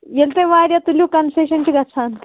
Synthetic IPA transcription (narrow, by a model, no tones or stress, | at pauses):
jelt̪eʋaːɾjɐt̪ulʲjukɐnseːʃɐnt͡ʃiɡɐt͡sʰaːn